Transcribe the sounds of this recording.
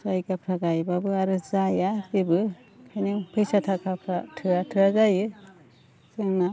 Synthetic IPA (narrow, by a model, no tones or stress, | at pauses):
sajɡapʰɾaɡajbabɯaɾɯzajazibɯ | kʰajnɯpʰɯjsatʰakʰapʰɾa̰tʰɯatʰɯazajɯ | zɯŋna